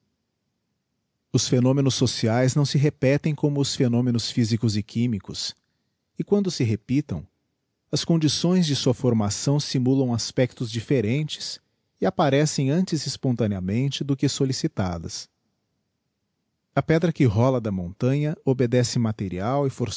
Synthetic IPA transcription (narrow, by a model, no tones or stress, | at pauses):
ʊsfenõmẽnʊsːosiajznɐ̃w̃sɪɦepɛt̪ẽj̃kõmʊːsfenõmẽnʊsfizikʊzɪkʰĩmikʊs | ɪkwɐ̃nd̪ʊsɪɦepit̪ɐ̰̃w̃ | ɐskõnd͡ʒisõj̃zd͡ʒɪsuɐfoɾmasɐ̃w̃simulɐ̃w̃aspɛk̚t̪ʊzd͡ʒifeɾẽnt͡ʃɪ̥s | ɪapaɾɛsẽj̃ɐ̃nt͡ʃɪzɪspõnt̪ɐ̃niɐmẽnt͡ʃɪd̪ʊkɪsolisit̪a̰d̪ɐ̰s | ɐpɛd̪ɾɐkɪɦɔlɐd̪ɐmõnt̪ɐ̃ɲɐobed̪ɛsɪmat̪eɾiawɪfoɾ